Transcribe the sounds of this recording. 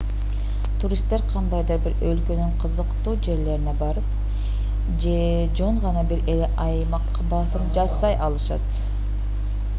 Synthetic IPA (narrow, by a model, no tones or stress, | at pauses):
t̪ʰuɾʲist̪ːe̞ɾqʰɑnd̪ɑjd̪ɯɾbiɾø̞lkø̞nyɴqʰɯzɯqt̪uːd͡ʒe̞ɾle̞ɾine̞bɑɾɯp | d͡ʒe | d͡ʒo̞ɴʁɑnɑbiɾeleʔɑjmɑqː | bɑsɯmd͡ʒɑsɑjʔɑlˠɯʃɑ̰t̪